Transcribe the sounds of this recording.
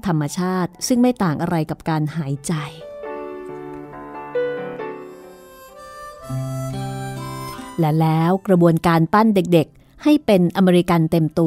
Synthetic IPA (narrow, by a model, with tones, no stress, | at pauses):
t̪ʰa˧mːa˧t͡ɕʰaː˥˩t̪̚sɯ˥˩ŋma˥˩jt̪aː˨˩ŋʔa˧ɾa˧jka˨˩p̚kaː˧nhaː˩˦jt͡ɕa˧j | lɛ˦˥lɛː˦˥wkɾa˧bu˧ənkaː˧nt̪a˥˩nde˨˩k̚de˨˩k̚ | ha˥˩jpe˧nʔa˧meː˧ɾi˧ka˧nt̪e˧mt̪u˧